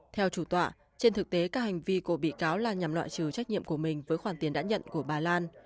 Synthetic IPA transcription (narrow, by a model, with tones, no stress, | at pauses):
t̪ʰɛ˧wt͡ɕu˧˩t̪wa̰ː˧˨ | t͡ɕe˧nt̪ʰɨ˨˩k̚t̪e˨˦kaː˦˥k̚ha˨˩ŋ̟vi˧ko˧˩ɓḭ˧˨kaː˨˦wlaː˨˩ɲa˨˩mlwa̰˧˨jt͡ɕɨ˨˩t͡ɕa˦˥k̚ɲḭ˧˨əmku˧˩əmï˨˩ŋ̟vəː˨˦jxwaː˧˩nt̪i˨˦ənɗa̰ː˧˥ɲə̰˧˨nku˧˩əɓaː˨˩laː˧n